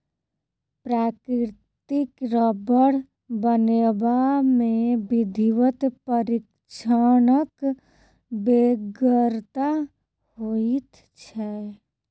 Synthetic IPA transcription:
pɾaːkɾɪɾtt̪ikɾəbəɽ | bənebamẽbid̪ʱiʋət̪pəɾik | t͡ʃʰaːnək | beɡəɾt̪a | hoit̪ | t͡ʃʰɛ

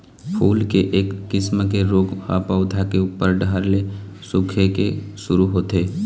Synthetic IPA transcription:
pʰuːlkeʔeːkːɪsmkeɾoːɡha̰paːʊd̪ʱakeuːpəɾɖʱaɾle | sʊkʰekesʊɾuɦoːt̪eː

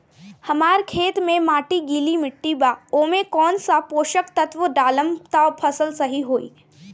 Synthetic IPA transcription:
hɐmaːɾkʰeːt̪mẽmaːʈiɡiːlimɪʈːibaːoːmẽkɔːnsapoːʃəkt̪ət̪ʋəɖaːləmt̪aopʰɐsəlsɐɦiɦoːḭː

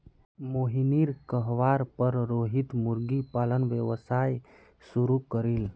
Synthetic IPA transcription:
moɦiniɾkəɦʋaɾpəɾɾoɦit̪muɾɡipalənʋəʋsaj | suɾukəɾil

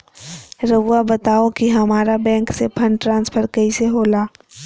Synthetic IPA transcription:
ɾəʋabət̪aːokiɦɐmaːɾabɛ̃ːŋksepʰə̃ɳɖʈɾãːnspʰəɾkəiseɦoːlaː

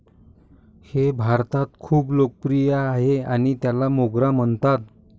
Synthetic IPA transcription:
hebʱaɾt̪at̪kʰuːplok̚pɾijaːɦeaɽ̃it̪jalamoɡɾam̤əɳt̪at̪̚

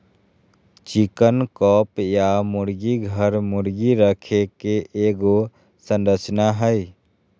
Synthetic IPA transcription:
t͡ʃikənkɔpjamuɾɡiɡʱəɾmuɾɡiɾəkʰekeʔeɡo | sə̃nɾət͡ʃnaɦəj

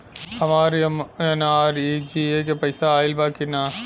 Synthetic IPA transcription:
ɐmaːɾiɐmɐnaːɾid͡ʒiekɐpɐjsaaːjɪlbaːkinːa

